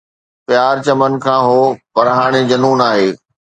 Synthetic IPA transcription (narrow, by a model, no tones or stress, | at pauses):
pjaːɾt͡ɕɐmənkʰãːɦoːpɐɾɦaːɽ̃ed͡ʑɐnuːnaːɦeː